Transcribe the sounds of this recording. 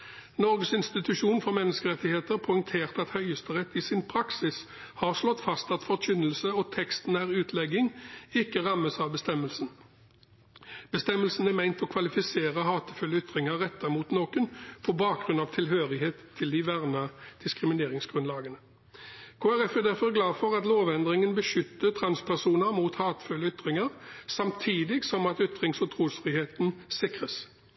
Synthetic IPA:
nɔʁɡəsɪnst̪ɪt̪ʉʃuːnfɔʁmɛnːəskəʁɛt̪ːɪheːt̪əʁpʰɔɪŋt̪ʰeːʁt̪ɑt̪hœʏəst̪əʁɛt̪ːɪsɪnpʰʁɑksɪs | hɑʁslɔt̪ːfɑst̪ɑt̪fɔʁc͡çʏnəlsəɔt̪ʰɛkst̪n̩æːʁʉːt̪ʰlɛɡɪŋɪkːəʁɑmːəsɑʋbəst̪ɛmːəlsn | b̥əst̪ɛmːəlsn̩æmæɪnt̪ɔkʰʋɑlɪfɪseːʁəhɑːt̪əfʉlːəʏt̪ʁɪŋəʁɛt̪ːɑʁmuːt̪noːkʉnpʰɔbɑːk̚ɡʁʉnɑʋt̪ʰɪlɦøːʁɪheːt̪ʰːɪld̪ɪʋæʁnɑd̪̥ɪskʁɪmɪneːʁɪŋsɡ̥ʁʉnlɑːɡənə | kʰoːæʁɛfæd̪æɾfɔʁɡlɑːfɔʁɑt̪loːʋɛnd̪ʁɪŋənbəʃʏt̪ːət̪ʰʁɑnspʰæʁsuːnəmuːt̪hɑːt̪ə̥fʉlːəʏt̪ʁɪŋəʁsɑmt̪ʰiːd̪ɪɡsɔmɑt̪ʏt̪ʁɪŋsɔt̪ʰʁuːsfʁɪheːt̪nsɪkʁəs

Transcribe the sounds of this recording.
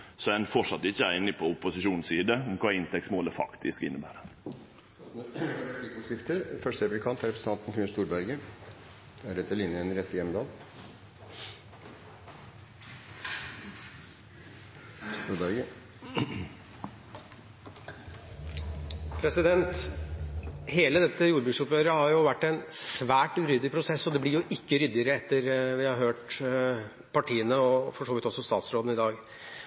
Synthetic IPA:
sɔænfɔʂɑt̪ːɪçəæɪnɪpʰɔʊpːʊsɪʂuːnsiːd̪əɔmkʰɑːɪnt̪ʰɛksmoːləfɑ̰kt̪ʰɪskɪ̰nːəbæ̰ːɾə | ik̪əʂɪft̪əɾfœʂʈəɾɛpʉlɪkʰɑnt̪æɾɛpɾsəɑnt̪n̩kʰɾɪnst̪uːɾbæɾɡə | d̪̥ɛæɾɛt̪ːəɭɪnjəɛnɾɛt̪ːəjɛmd̪ɑːl | d̪ɑːɡ | pʰɾɛsɪd̪ɛnt̪ | heːləd̪ɛt̪ːəjuːɾbʉːɡsʊpøːɾəhɑɾjʊʋæʈːænssʋæːʈɾʏd̪ɪpʰɾʊsɛsːɔd̪ɛblɪɾjʊʔɪkːəɾʏd̪ɪəɾəɛt̪ːəɾʋɪhɑɾɦøːʈ | pʰɑʈʰiːənəɔfɔʂoːʋɪt̪ɔsɔst̪ɑːt̪sɾoːd̪n̩ɪd̪ɑːɡ

